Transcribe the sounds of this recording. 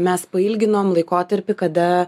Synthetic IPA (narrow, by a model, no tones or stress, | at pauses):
mʲɛspɐɪlʲɡʲɪnoːmlˠɐɪkoːt̪ɐɾʲpʲɪkɐd̪ɐ